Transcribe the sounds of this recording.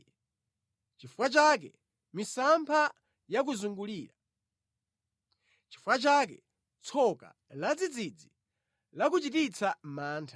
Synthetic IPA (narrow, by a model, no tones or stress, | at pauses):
t͡ʃifwat͡ʃak̬ɛ̰ | misampʰa | jak̬uzuŋɡuliːɾa | t͡ʃi̥fwat͡ʃak̬ɛ̰ | t͡sʰɔka̰ | lad͡zid͡zid͡zi | lak̬ut͡ʃitit͡sʰamaːntʰḁ